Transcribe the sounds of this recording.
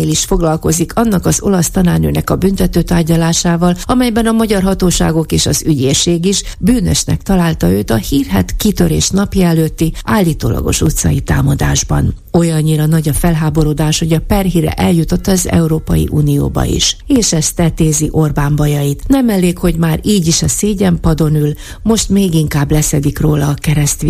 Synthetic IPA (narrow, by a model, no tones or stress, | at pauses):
eːliʃfo̞ɡlɒlko̞zikʰɒnːɒkɒzo̞lɒst̪ɒnaːrnø̰ːnɛkɒbynt̪ɛt̪øːt̪aːrɟɒlaːʃaːvɒlɒmɛjbɛnɒmɒɟɒrɦɒt̪oːʃa̰ːɡo̞keːʃɒzyɟeːʃeːɡiʃbyːnø̰ʃnɛ̰kt̪ɒlaːlt̪ɒøːt̪ɒhiːrɦɛt̪kit̪ø̞ɾḛːʃnɒpjɒɛløːt̪ːiʔaːlːiːt̪o̰ːlɒ̰ɡo̞̰ʃut̪sɒ̰it̪aːmɒd̪aːʒbɒ̰n | o̞jɒɲːiɾɒnɒɟɒfɛlɦaːbo̞ɾoːd̪aːʃho̞ɟɒpɛrɦiɾɛ̰ʔɛljut̪o̞t̪ːɒːzɛ̰uɾoːpɒjḭʔuːnio̰ːbɒ̰ḭʃeːʃɛst̪ɛt̪eːziʔo̞rbaːmbɒjɒjit̪nɛmɛlːeːkho̞ɟmaːɾiːɟiʃɒseːɟɛmpɒd̪o̞nyl | mo̞ʃt̪meːɡiŋkaːblɛsɛd̪ikroːlɒːkɛɾɛst̪i